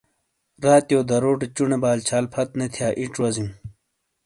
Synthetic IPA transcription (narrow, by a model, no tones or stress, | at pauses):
ɾaːt̪joːd̪ɐɾoːʈet͡ɕuɳebaːlt͡ɕʰaːlpʰɐt̪̚net̪ʰjaːʔiʈwɐzim